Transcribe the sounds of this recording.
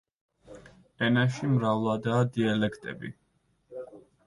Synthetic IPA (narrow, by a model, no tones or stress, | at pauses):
ɛnaʃimɾavlˠad̪aːd̪ialɛkʰt̪ʼɛ̰bḭ